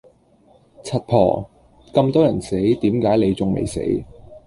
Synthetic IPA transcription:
t͡sʰɐ˨t̚pʰɔ̰ː˨˩ | kɐ˧mt̪ɔː˥jɐ˨˩nse˨˥jt̪iː˨˥mkaː˨˥jle˨˧jt͡sʊ˨ŋmḛ˨jsḛ˨˥j

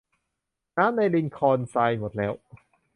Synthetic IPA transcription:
naː˦˥mna˧jli˧nkʰɔː˧nsaː˧jmo˨˩t̪̚lɛː˦˥w

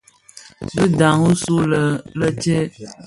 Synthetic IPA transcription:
bɨ˦da˨ŋu˦su˦lə˨lə˦t͡ʃe˦

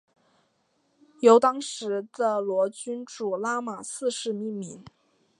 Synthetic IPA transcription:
jo˧˥ʊt̪ɑ˥ŋʂɻ̩˧˥d̪ə˧lwɔ˧˥t͡ɕy˥nʈ͡ʂu˨˩la˥ma˨˩sɹ̩˥˧ʂɻ̩˥˧mi˥˩ŋmi˧˥n

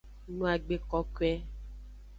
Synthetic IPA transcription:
nũ˨˦a˨ɡ͡be˨kɔ˦kwɛ˦

